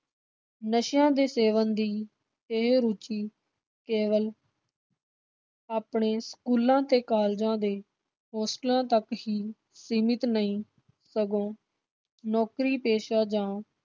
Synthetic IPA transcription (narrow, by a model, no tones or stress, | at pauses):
nəʃjãːd̪eːseːʋənd̪iː | ɪɦɾut͡ʃiː | keːʋəl | aːpɳeːskuːlãːt̪eːkaːld͡ʒãːd̪eː | ɦɔːsʈlãːt̪əkɦiː | siːmɪt̪nəĩː | səɡõː | nɔːkɾiːpeːʃaːd͡ʒãː